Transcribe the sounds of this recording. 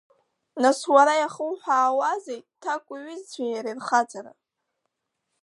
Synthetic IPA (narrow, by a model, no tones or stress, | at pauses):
naswaɾajaχəwħʷᶣaːwazejt̚tʰːakʷʼʊɥɪzt͡ɕʷʰajaɾirχat͡sʼaɾa̰